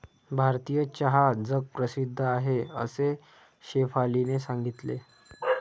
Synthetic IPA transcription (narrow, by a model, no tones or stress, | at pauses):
bʱaɾt̪ijət͡ɕəɦad͡zək̚pɾəsid̪ʱːəaɦeə̰se | ɕefalinesãŋɡit̪lḛ